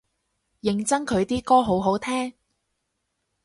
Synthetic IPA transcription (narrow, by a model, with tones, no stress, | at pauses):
jɪ˨˩ŋt͡sɐ˥ŋkʰɵ˨˧ɥt̪iː˥kɔː˥ɦo˨˥wɦo˨˥wt̪ʰɛː˥ŋ